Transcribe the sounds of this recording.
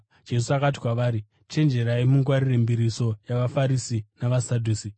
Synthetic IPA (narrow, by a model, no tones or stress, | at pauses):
d͡ʒe̞s̬uakat̬i̥kwaʋaːɾi | t͡ʃe̞nd͡ʒe̞ɾaimuŋɡwaɾirembiɾiso̞jaʋafaɾisinaʋasadʱuːsi